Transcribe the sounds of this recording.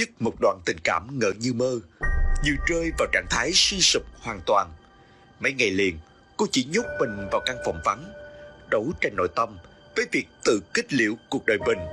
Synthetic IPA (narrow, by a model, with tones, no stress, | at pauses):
ɲɨ˦˥k̚mo˨˩k͡p̚t̚ɗwa̰ː˧˨nt̪ï˨˩ŋ̟ka̰ː˧˩mŋə̰ː˧˨ɲɨ˧məː˧ɲɨ˧˩t͡ɕəː˧jvaː˨˩wt͡ɕa̰ː˧˩ŋt̪ʰaː˨˦jsi˧sɨ˨˩k͡p̚hwaː˨˩nt̪waː˨˩n | mə˨˦jŋa˨˩jlḭ˨˩ən | ko˨˧˦t͡ɕi˧˩ɲʊ˦˥k͡p̚mï˨˩ŋ̟vaː˨˩wkaː˧ŋfɔ̰˧˨˩wŋ͡mva˨˦nɗə˨˦wt͡ɕa˧jnno̰˧˨jt̪ə˧m | vəː˨˦jvi˨˩ək̚t̪ɨ̰˧˨kï˦˥k̟̚lḭ˧˨əwku˨˩ək̚ɗəː˨˩jɓï˨˩ŋ̟